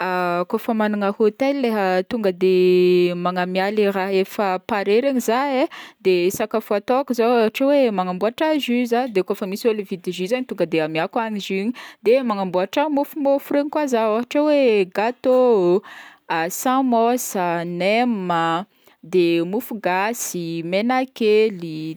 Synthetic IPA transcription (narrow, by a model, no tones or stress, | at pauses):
akofəmanaŋəhot̪elːeɦət̪uŋɡəd̪emaŋamialiɾaɦefəpaɾeɾaɲizaed̪esakafuat̪oakizoaaʈ͡ʂawemaŋambuaʈ͡ʂazyzad̪ekofəmiselivid̪iʒizaɲit̪uŋɡəd̪eamiakaniziɲid̪emaŋambuaʈ͡ʂamufumofuɾeɲkwazaaɦaʈ͡ʂaweɡat̪o | sãmɔsənemə | d̪emufuɡasimenakeli